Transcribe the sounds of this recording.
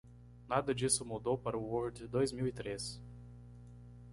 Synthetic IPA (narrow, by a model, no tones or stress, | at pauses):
nad̪ɐd͡ʒisʊmud̪owpaɾɐʊwoɾd̪d̪ojzmiwit̪ɾes